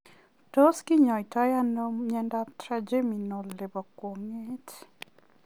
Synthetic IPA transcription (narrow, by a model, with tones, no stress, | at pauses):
to˦ski˦ɲɔ˨i˨ta˦ja˦no˦mɲɛ˦nda˦tɾad͡ʒe˦mi˨no˨le˨bɔ˨kwɔ˨ŋe˦t